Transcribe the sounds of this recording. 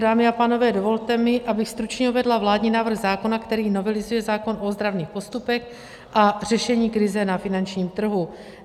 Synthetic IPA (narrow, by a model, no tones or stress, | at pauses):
daːmɪapaːno̞vɛːdo̞vo̞lt̪ɛmɪʔabɪxst̪ɾut͡ʃɲɛuvɛdlavlaːdɲiːnaːvr̩ɣzaːko̞nakt̪ɛɾiːno̞vɛlɪzujɛzaːko̞nʔo̞zd̪ɾavniːxpo̞st̪upɛx | ʔar̝̥ɛʃɛɲiːkɾɪzɛnafɪnant͡ʃɲiːmt̪r̩ɦu